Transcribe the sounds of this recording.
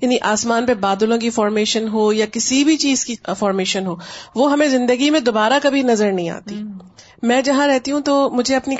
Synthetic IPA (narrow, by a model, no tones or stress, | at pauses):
jaːniʔaːsmaːnpebaːd̪lõkifɔːɾmeːʃənɦoːjakɪsibʱit͡ʃiːzkifɔːɾmeːʃənɦoːʋoɦɐmẽzɪ̃nd̪əɡimẽd̪oːbaːɾakɐbʱinɐzəɾnɐɦĩa̰ːt̪i | mɛ̃ːd͡ʒɐɦãɾɛɦt̪iɦũt̪omʊd͡ʒʱeɐpni